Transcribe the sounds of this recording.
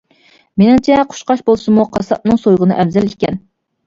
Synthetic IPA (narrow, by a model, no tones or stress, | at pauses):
menɪŋt͡ʃʰɛqʰʊ̥ʃqɑʃbolˠsɨmuqʰɑsɑp̚nɨŋsojʁənɨʔɛvzɛlikʲɛn